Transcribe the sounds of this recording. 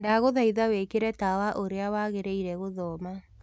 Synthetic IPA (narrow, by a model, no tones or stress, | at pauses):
daɣoðaiðawekeɾɛtawaʔoɾeawaɣeɾeiɾɛɣoðɔːma